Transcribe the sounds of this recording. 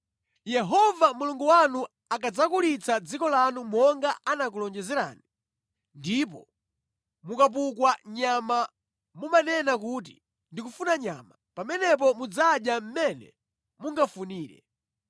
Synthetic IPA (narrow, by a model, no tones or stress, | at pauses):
jɛɦɔvamuluŋɡuwanu | akad͡zakulit͡sʰad͡zikɔlanumɔŋɡaʔanak̬ulɔnd͡ʒɛzɛɾa̰ːni | ndip̬ɔ̰ | mukap̬ukwaɲama | mumanɛnakuːt̬ḭ | ndikufunaɲa̰ma | pamɛnɛp̬ɔmud͡zaɗjam̩mɛnɛ̰ | muŋɡafuniːɾɛ̰